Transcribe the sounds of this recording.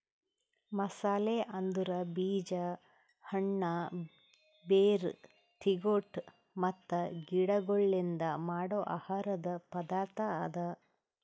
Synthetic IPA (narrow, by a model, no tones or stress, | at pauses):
mɐsaːleʔɐnd̪uɾɐbiːd͡ʒɐ | hɐɳːɐ | beːɾ | t̪ʰiɡoʈ | mɐt̪ːɐɡiɽɐɡoɭːind̪ɐmaːɽoːʔa̰ːhaːɾɐd̪ɐpɐd̪aːɾt̪ɐad̪ɐ